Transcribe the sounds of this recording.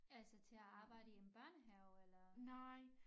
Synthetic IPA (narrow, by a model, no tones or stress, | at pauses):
ælsət͡sʰe̝æɑ̈ːb̥ɑ̈ɪ̰ɾəemb̥ɶɐ̰nɦæʊelɐnaɪ